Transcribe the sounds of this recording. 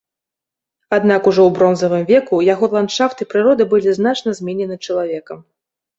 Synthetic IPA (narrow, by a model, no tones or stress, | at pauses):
ad̪nakuʐɔwbɾɔnzɐvɨmvʲɛkujaɣɔlˠanʂaft̪ɨpɾɨɾɔd̪ɨbɨlʲizn̪at͡ʂnɐzʲmʲɛnʲɛnɨt͡ʂɐlˠavʲɛkɐm